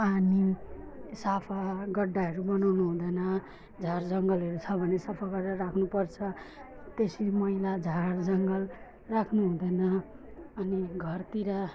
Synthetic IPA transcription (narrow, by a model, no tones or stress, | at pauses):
ani | sapʰaɡʌɖːaɦʌɾubʌnawnuɦũd̪ʌjnʌ | d͡zʱard͡zʌŋɡʌlɦʌɾut͡sʰʌbʱʌnesapʰaɡʌɖarakʰnupʌrt͡sʰʌ | t̪esimʌilad͡zʱaɾd͡zʌŋɡʌl | rakʰnuɦũd̪ʌjnʌ | ʌniɡʱʌrt̪iɾa